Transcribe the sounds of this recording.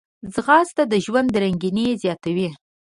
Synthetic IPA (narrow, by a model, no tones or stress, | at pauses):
zɣɑzt̪ad̪əʒwand̪ːəɾaŋɡinezjɑt̪awi